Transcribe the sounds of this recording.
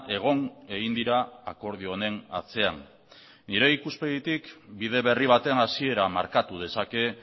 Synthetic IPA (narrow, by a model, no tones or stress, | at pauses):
ʔe̞ɣ̞o̞ne̞ɣind̪iɾaːko̞ɾð̞io̞ne̞na̰t͡se̞anː | iɾe̞ikuspeðit̪ikbiðe̞βe̞riβ̞at̪e̞nasie̞ɾama̰ɾkat̪uð̞e̞sake̞